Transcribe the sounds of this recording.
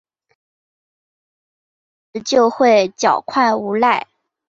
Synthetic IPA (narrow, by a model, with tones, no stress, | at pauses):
t͡ɕjo˥˧ʊxwe˥˩ɪt͡ɕjɑ˨˩ʊkʰwa˥˩ɪu˧˥la˥˩ɪ